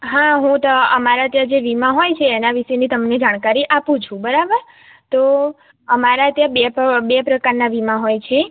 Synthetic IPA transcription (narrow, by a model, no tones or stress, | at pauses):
ɦãɦũt̪əəmaɾaət̪jãd͡ʒeʋimãɦojt͡ʃʰeːnaʋiʃenit̪əmned͡ʒaɽ̃kaɾiʔapũt͡ʃʰũbəɾabəɾ | t̪o | əmaɾaət̪jãbebepɾəkaɾnaʋimãɦojt͡ʃʰe